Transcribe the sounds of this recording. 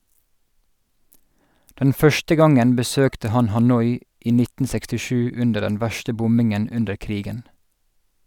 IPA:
ˈdɛn ˈfœʃtə ˈɡɑŋən bəˈsøːktə ˈhɑn hɑˈnɔʏ ˈʔiː ˈnɪtn̩ sɛkstɪˈʃʉː ˈʉndə ˈɖɛn ˈʋæʃtə ˈbʊmbɪŋən ˈʉndəɹ ˈkɾiːɡən

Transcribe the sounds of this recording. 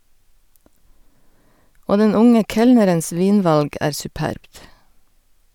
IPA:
ˈoː ˈdɛn ˈʊŋə ˈkɛlnəɾəns ˈʋiːnˌʋɑlɡ ˈæːɾ sʉˈpæɾbt

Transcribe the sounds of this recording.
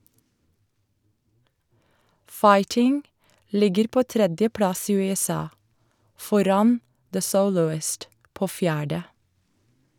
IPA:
ˈfɑɪtɪŋ ˈlɪɡəɾ ˈpoː ˈtɾɛdjəˌpɽɑs ˈiː ˌʉːɛˈsɑː ˈfɔɾɑn ðə ˈsəʊlʊɪst ˈpoː ˈfjæːɖə

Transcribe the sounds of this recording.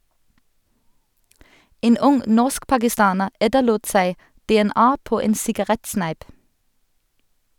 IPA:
ˈeːn ˈʊŋ ˈnɔʁskpɑɡɪˌstɑːnəʁ ˈɛtəluːt ˈsæɪ dɛɛˈnɑː ˈpoː ˈeːn sɪɡɑˈʁɛtˌsnæɪp

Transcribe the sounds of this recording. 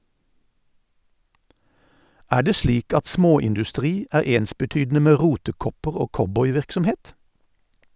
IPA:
ˈæː ˈɖeː ˈsliːk ˈɑt ˈsmoːɪndʉˌstʁiː ˈæːʁ ˈeːnsbəˌtyːdn̩ə ˈmeː ˈʁuːtəˌkɔpəʁ ˈoː ˈkɔbɔʏˌʋɪʁksɔmˌheːt

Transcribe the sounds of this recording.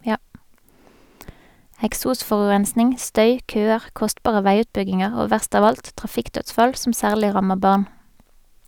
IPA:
ɛkˈsuːˌsfɔʁʉʁɛnsnɪŋ ˈstœʏ ˈkøːəʁ ˈkɔstpɑːʁə ˈʋæɪˌʉːtpʏɡɪŋəʁ ˈoː ˈʋæʁst ˈɑːʋ ˈɑlt tʁɑˈfɪkˌtœtsfɑl ˈsɔm ˈsæːʁlɪ ˈʁɑməʁ ˈbɑːʁn

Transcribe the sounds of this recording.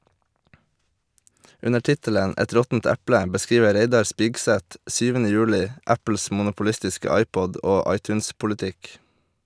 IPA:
ˈʉnə ˈʈɪtələn ˈɛt ˈɾɔtn̩t ˈæplə bəˈskiːʋə ˈɾeɪdɑɾ ˈspɪɡˌsɛt ˈsyːʋənə ˈjʉːlɪ ˈæpl̩s mʊnʊpʊˈlɪstɪskə ˈɑɪˌpɔd ˈoː ˈɑɪˌtʉːnspʊləˌtɪk

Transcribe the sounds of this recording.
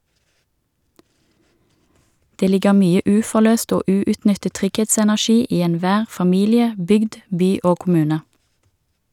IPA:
ˈdeː ˈlɪɡə ˈmyːə ˈʉːfɔˌløːst ˈoː ˈʉːʉtˌnʏtət ˈtʁʏɡˌheːtsɛnæˌʃiː ˈiː ɛnˈʋæːʁ fɑˈmiːlɪə ˈbʏɡd ˈbyː ˈoː kʊˈmʉːnə

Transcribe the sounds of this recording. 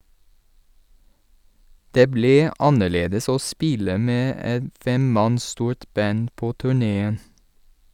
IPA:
ˈdeː ˈbliː ˈɑnəˌɭeːdəs ˈoː ˈspɪlə ˈmeː ˈɛt ˈfɛmˌmɑns ˈstuːɹt ˈbɑn ˈpoː ˈtʉːˌɳeːən

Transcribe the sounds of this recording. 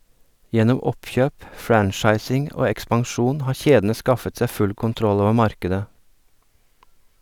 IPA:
ˈjɛnɔm ˈɔpçøːp ˈfɾænʃɑɪsɪŋ ˈoː ɛkspɑŋˈʃuːn ˈhɑːɾ ˈçeːdn̩ə ˈskɑfət ˈsæɪ ˈfʉl kʊnˈtɾɔl ˈoːʋəɾ ˈmɑɾkədə

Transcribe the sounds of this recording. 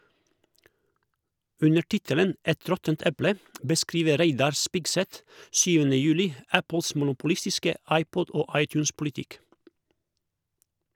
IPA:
ˈʉnə ˈʈɪtələn ˈɛt ˈɾɔtənt ˈɛplə bəˈskɾiːʋə ˈɾæɪdɑɾ ˈspɪɡˌsɛt ˈsyːʋənə ˈjʉːlɪ ˈæpəls mʊnʊpʊˈlɪstɪskə ˈɑɪˌpɔd ˈoː ˈɑɪˌtjʉːnspʊlɪˌtɪk

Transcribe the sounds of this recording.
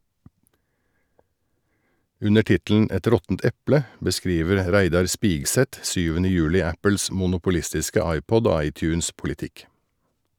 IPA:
ˈʉnə ˈʈɪtl̩n ˈɛt ˈɾɔtn̩t ˈɛplə bəˈskɾiːʋəɾ ˈɾæɪdɑɾ ˈspiːɡsɛt ˈsyːʋənə ˈjʉːlɪ ˈæpl̩s mʊnʊpʊˈlɪstɪskə ˈɑɪˌpɔd ˈoː ˈɑɪˌtjʉːnspʊlɪˌtɪk

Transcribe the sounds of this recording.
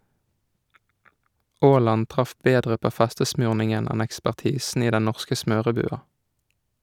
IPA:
ˈʔoːˌlɑn ˈtʁɑf ˈbeːdʁə ˈpoː ˈfæstəsmʉːʁnɪŋən ˈæn ækspæʁˈtiːsn̩ ˈiː ˈdɛn ˈnɔʁskə ˈsmøːʁəˌbʉːɑ

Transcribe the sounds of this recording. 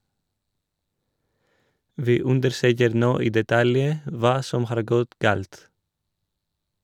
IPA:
ˈʋiː ˈʉndəɾˌsøːkəɾ ˈnoː ˈiː dɛˈtɑljə ˈʋɑː ˈsɔm ˈhɑːɾ ˈɡɔt ˈɡɑːlt

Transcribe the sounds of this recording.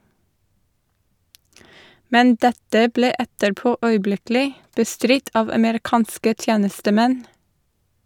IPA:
ˈmɛn ˈdɛtə ˈbleː ˈɛtəɾˌpoː ˈœʏˌblɪklɪ bəˈstɾɪt ˈɑːʋ ɑməɾɪˈkɑːnskə ˈtjeːnəstəˌmɛn

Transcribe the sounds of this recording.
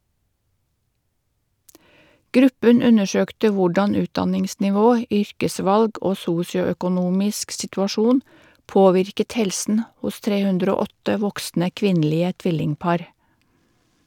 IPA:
ˈɡɾʉpən ˈʉnəˌʃøːktə ˈʋʊɖɑn ˈʉːtdɑnɪŋsnɪˌʋoː ˈʏɾkəˌsʋɑlɡ ˈoː ˈsuːsɪʊœkʊˌnuːmɪsk sɪtʉɑˈʃuːn ˈpoːʋɪɾkət ˈhɛlsn̩ ˈhʊs ˈtɾeː ˈhʉndɾ ˈoː ˈɔtə ˈʋɔksnə ˈkʋɪnˌliːə ˈtʋɪlɪŋˌpɑːɾ

